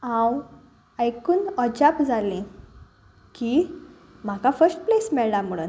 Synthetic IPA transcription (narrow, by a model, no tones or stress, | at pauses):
ãw | ajkuːnɔd͡ʑapd͡zʱalẽ | ki | m̤akafəɾsʈ̚plesmɛɭlam̤uɽṵn